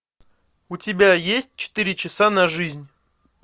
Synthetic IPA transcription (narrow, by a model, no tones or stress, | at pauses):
ʊtʲɪbʲajesʲt̚ʲt͡ɕɪ̥t̪ɨɾʲɪt͡ɕɪsanɐʐɨzʲnʲ